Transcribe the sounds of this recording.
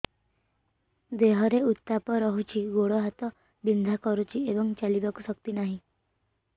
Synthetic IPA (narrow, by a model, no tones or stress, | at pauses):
d̪eɦɔɾeut̪ːapɔɾɔɦut͡ʃʰiɡoɽɔɦat̪ɔ | bind̪ʱakɔɾut͡ʃʰiebɔŋt͡ʃalibakusɔkt̪inaɦĩ